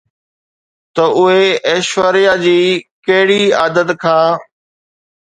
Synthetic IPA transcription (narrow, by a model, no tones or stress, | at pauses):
t̪ɐʔʊɦeeːʃʋəɾɪjaːd͡ʑiːkɐɦɪɽiːaːd̪ət̪kʰãː